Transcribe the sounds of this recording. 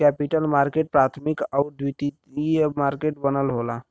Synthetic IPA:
kɛpiʈəlmaːɾkeːʈ̚pɾaːt̪ʰmikəd̪ʋit̪i | imaːɾkeːʈbənəlɦoːla

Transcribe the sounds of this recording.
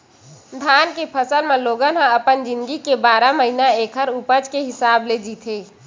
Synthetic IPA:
d̪ʱaːnkepʰəsəlmẽloːɡənɦãəpənd͡ʒɪ̃nd̪ɡikebaːɾaməɦinaeːkʰəɾupəd͡ʒkeɦɪsaːbled͡ʒiːt̪ʰeː

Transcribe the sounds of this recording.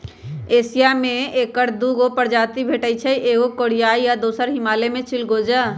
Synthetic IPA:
eːsijamẽeːkəɾd̪uɡopəɾd͡ʒaːt̪ibʱeːʈət͡ʃʰəiʔeːɡokoɽ̤ijaːijad̪oːsəɾɦɪmaːlemẽt͡ʃʰɪlɡoːd͡ʒə

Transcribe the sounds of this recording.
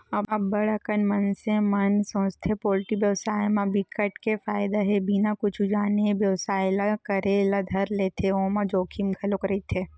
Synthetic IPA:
ɐbabɐɽəkənmɐnsẽmɐnsõːt͡ʃt̪ʰepoːlʈibjəwsaːjmãbɪkəʈkefaːɪd̪aɦebʱinakʊt͡ʃʰud͡ʒaːnebjɐwsaːjlakɐɾelad̪ʱɐɾleːt̪ʰeoːmãd͡ʒoːkʰimɡʱɐlokɾit̪ʰe

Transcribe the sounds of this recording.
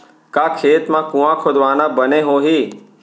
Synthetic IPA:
kaːkʰeːt̪mãːkũːãːkʰod̪ʋaːnãːbənẽːɦoːɦiː

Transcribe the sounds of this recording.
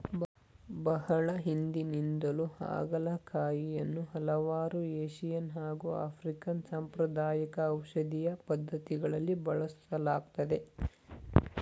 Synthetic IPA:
bɐhɐɭɐɦind̪inind̪ɐluha̰ːɡɐlɐkʰaːjijɐnːuɦɐlɐʋaːɾueːʃijɐnɦaːɡua̰ːpʰɾikɐnsaːmpɾɐd̪aːjɐkɐːwʃɐd̪ijɐpɐd̪ʱːɐt̪iɡɐɭɐlːibɐɭɐsɐlaːɡt̪ɐd̪e̞

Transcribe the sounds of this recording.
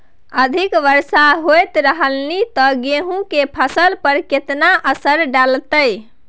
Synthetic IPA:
əd̪ʱikʋəɾsaɦojt̪ɾəɦəlnit̪ɔɡeɦũkepʰəsəlpəɾket̪naʔəsəɾɖalt̪əj

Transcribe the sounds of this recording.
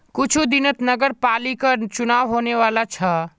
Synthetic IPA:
kʊt͡ʃʰud̪ɪnət̪nəɡəɾpaːlikət͡ʃʊnaːʋɦoːneʋaːlat͡ʃʰa

